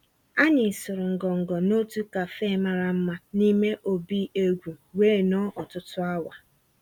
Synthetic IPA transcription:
a˦ɲɪ˨sʊ˨ɾʊ˨ŋ̩˨ɡɔ˨ŋ̩˨ɡɔ˨no˦tu˦ka˨fe˦ma˦ɾa˨m̩˦ma˦ni˦me˦ʔo˨bi˦e˦ɡʷu˨weː˦˨nɔ˦ʔɔ˨tʊ˦tʊ˦a˦wa˨

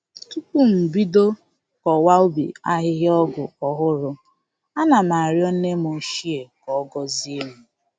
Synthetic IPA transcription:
tu˦ku˦m̩˨bi˦do˦ | kɔ˨wa˦o˦bḭ˨a˦ɦɪ˦ɦɪ˦ɔ˦ɡʊ̰˨ɔ˨ɦʊ˦ɾʊ˦ | a˦na˨ma˨a˨ɾjɔ˦n̩˦ne˦mo˨˦ʃi˦e˨kɔ˨ɔ˦ɡɔ˦zi˦e˦mu˨

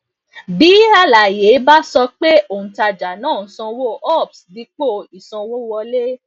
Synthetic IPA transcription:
bi˨˦a˧la˨je˨˦ba˦sɔ˧k͡pe˦o˦˨ũ˨ta˧d͡ʒa˨nãː˦˨˦sɔ̃˧wo˦ʔɔ˦˨bsdi˧k͡po˦˨i˨sɔ̃˧wo˦wɔ˧le˦

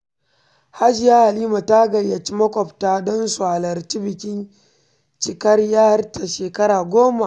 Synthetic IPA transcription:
ha˦d͡ʒɪ˨ja˦ha˨liː˦ma˨ta˦ɡɐ˨jːa˨t͡ʃi˦mɐ˦kʷɔ˨ptaː˦dɔ˦nsu˨ha˨lɐ˨rt͡ʃi˦bɪ˨kʲɪ˦n | t͡ʃɪ˨kɐ˦rjaː˦ha˦rtʰa˨ʃeː˨kɐ˦ɾaː˨ɡʷoː˦ma˨ʔ

